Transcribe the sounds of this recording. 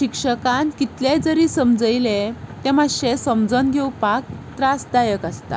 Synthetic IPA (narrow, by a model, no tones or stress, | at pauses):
ɕikʂəkãnt̪kit̪ljẽd͡zəɾiːsəmd͡zəjlet̪ɛ̃maɕesəmd͡zɔnɡʱewpak̚t̪ɾasd̪ajəkast̪a̰